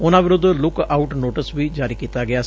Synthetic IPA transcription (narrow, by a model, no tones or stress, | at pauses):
ʊnãːʋɪɾʊd̪lʊkaːʊʈnoːʈəsʋiːd͡ʒaːɾiːkiːt̪aːɡɪaːs